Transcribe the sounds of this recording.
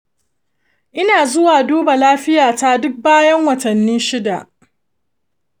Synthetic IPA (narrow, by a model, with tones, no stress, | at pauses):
ʔɪ˦naː˨zʊ˦waː˨duː˦ba˨laː˦ɸɪ˦jaː˨ta˦dʊ˦k̚baː˦jɐ˦ŋwɐ˨tɐ˨nːiː˦ʃɪ˦da˨ʔ